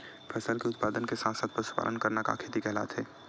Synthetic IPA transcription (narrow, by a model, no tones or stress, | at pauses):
pʰɛːsəlkeʊt̪paːd̪ənkesãnsəd̪̚pəɾsʊ̥pa̰lənkəɾnaka̰kʰeːt̪ikɛɦla̰ːt̪ɦɛː